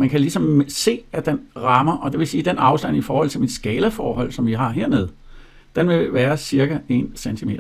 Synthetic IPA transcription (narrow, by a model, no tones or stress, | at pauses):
mænkʰælisɒ̽mse̝̰ːæd̥enʁɑ̈mɐʔɒ̽d̥e̝ʋe̝siːd̥enɑ̈ʊsd̥æn̰ifɒːhɒ̽l̰t͡sʰe̝mid̥sɡ̥ɛːlɐfɒːɦɒ̽l̰sɒ̽mʋiɦɑ̈ɦe̝ɐ̰ne̝ð̞ˠ | d̥enʋe̝ʋæːɐsiɐɡ̥æe̝nsent͡sʰime̝̰ːdɐ